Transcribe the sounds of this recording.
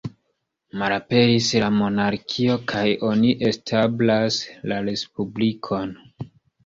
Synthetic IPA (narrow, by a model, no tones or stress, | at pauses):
maɾape̞ɾislamo̞naɾkʰio̞kʰajo̞niʔe̞stʰablaslaɾe̞spublikʰo̞n